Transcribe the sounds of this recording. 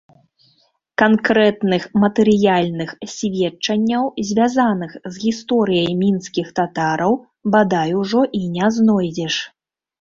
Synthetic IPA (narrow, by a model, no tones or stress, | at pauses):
kankɾɛt̪nɨxmɐt̪ɛɾɨjalʲnɨxsʲvʲɛt͡ʂɐnʲːɐwzʲvʲazanɨxzɣʲist̪ɔɾɨjɐjmʲinskʲixt̪at̪aɾɐw | bad̪ajuʐɔʔinʲɛznɔjd͡zʲɛʂ